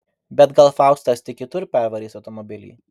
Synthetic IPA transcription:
bʲɛt̪ɡɐlˠfɑˑʊst̪ɐst̪ʲɐɪkʲɪt̪ʊɾpʲɛɾʋɐɾʲiːsɐʊt̪ɔmɔbʲɪlʲḭː

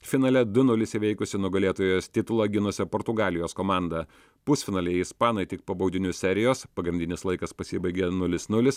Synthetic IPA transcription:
fʲɪnɐːlʲɛd̪ʊnʊlʲɪsʲɪʋʲɛɪkʊsʲɪnʊɡɐlʲeːt̪oːjoːst̪ʲɪt̪ʊlˠɐɡʲɪnʊsʲɛpɔːɾt̪ʊɡɑːlʲɪjoːskoːmɑˑnd̪ɐ | pʊsʲfʲɪnɑːlʲɛɪɪspɑːnoɪt̪ʲɪk̚pɐbɐʊd̪ʲɪnʲʊsʲɛɾʲɪjoːspɐɡɾʲɪnʲd̪ʲɪnʲɪslˠɐɪkɐspɐsʲɪbɐɪɡʲɛnʊlʲɪsnʊlʲɪs

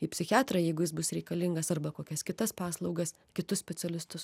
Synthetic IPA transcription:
ɪpʲsʲɪxʲɑːt̪ɾɐjɛɪɡʊjɪsbʊsɾʲɛɪkɐlʲɪŋɡɐsɐrbɐkoːkʲɛskʲɪt̪ɐspɑːslˠɒʊɡɐs | kʲɪt̪ʊssʲpʲɛt̪ʲɛlʲɪst̪ʊs

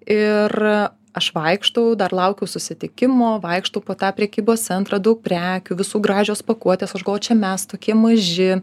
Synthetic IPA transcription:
ɪr | ɐʃʋɐɪkʃt̪ɐʊd̪ɐrlˠɐʊkʲɛʊsʊsʲɪt̪ʲɪkʲɪmoːʋɐɪkʃt̪ɐʊpoːt̪ɑːpʲɾʲɛkʲiːboːst̪sʲɛnt̪ɾɑːd̪ɐʊk̚pʲɾʲæːkʲʊʋʲɪsuːɡɾɑːʒʲoːspɐkuɔt̪ʲeːsɐʒɡlˠoːt͡ʃʲɛmʲɛst̪oːkʲiɛmɐʒʲɪ

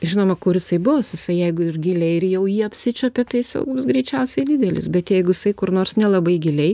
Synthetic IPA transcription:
ʒʲɪnoːmɐkʊɾjɪsɐɪbʊʋɐsjɪsɐɪjɛɪɡʊɪrɡʲɪlʲɛɪɪɾjɛʊjiːɐpʲsʲɪt͡ʃʲoːpʲɛt̪ɐɪjɪsɛ̰ʊɡʊbʊsɡɾʲɛɪt͡ʃʲɛʊsʲɛɪdʲɪd̪ʲɛlʲɪ̰sbʲɛt̪jɛɪɡʊjɪsɐɪkʊrnoːrsnʲɛlˠɐbɐɪɡʲɪlʲɛɪ

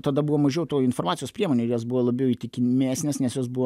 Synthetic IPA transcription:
t̪ɐd̪ɐbuʋomɐʒʲɛʊt̪oːɪnfoːrmɑːtsʲɪjoːspʲɾʲiɛmoːnʲeːjosbuʋolˠɐbʲjɛʊiːt̪ʲɪkʲɪmʲæːsʲnʲesnʲɛsjosbuʋo

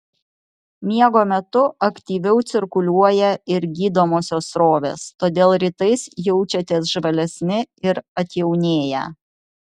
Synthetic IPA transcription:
mʲiɛɡoːmʲɛt̪ʊɐkt̪ʲiːʋʲɛʊt̪sʲɪɾkʊlʲuɔjɛɪɾɡʲiːd̪oːmoːsʲoːsɾoːʋʲḛːst̪oːd̪ʲeːlˠɾʲɪt̪ɐɪsjɛʊt͡ʃʲɛt̪ʲeːsʒʋɐlʲɛsʲmʲɪɪɾɐt̪ʲjɛʊnʲeːjɛ̰

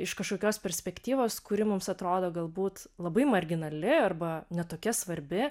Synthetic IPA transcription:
ɪʃkɐʃkoːkʲoːspʲɛɾʲsʲpʲɛkt̪ʲiːʋoːskʊɾʲɪmʊmsɐt̪ɾoːd̪oːɡɐlˠbuːt̪lˠɐbɐɪmɐɾʲɡʲɪnɐlʲɪɐrbɐnʲɛt̪oːkʲɛsʋɐɾʲbʲɪ

